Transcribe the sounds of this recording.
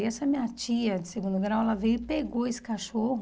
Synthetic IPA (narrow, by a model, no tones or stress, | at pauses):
jɛsɐmĩɲɐt͡ʃiɐd͡ʒɪseɡũd̪ʊɡɾawɛlɐvejʊɪpeɡoesɪ̥kaʃohʊ